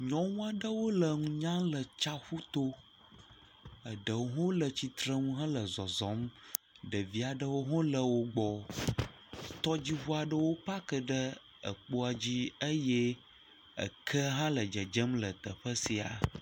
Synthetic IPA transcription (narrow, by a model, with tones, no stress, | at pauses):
ɲɔ̃˦ŋũ˦a˨ɖə˦wo˦lə˨ŋũ˦ɲã˦lə˨t͡ʃa˦xu˦t̪o˦ | ə˨ɖə˨wo˦ɦõ˦lə˨t͡ɕi˨t̪ɾə˦ŋũ˦ɦə̃˦lə˨zɔ˨zɔ̃˨˦m | ɖə˨vi˦a˨ɖə˦wo˦ɦɔ̃˦lə˨wo˦ɡ͡bɔ˦ | t̪ɔ˦d͡ʑi˦βu˦a˨ɖə˦wo˦pa˦kə˨ɖə˦ | ə̰˨k͡po˦a˨d͡ʑi˦ə˦jɛ˦ | ə̰˨kʰə˦ɦã˦lə˨d͡ʒə˨d͡ʒə˦mlə˨t̪ə˨ɸə˦si˨a̰˨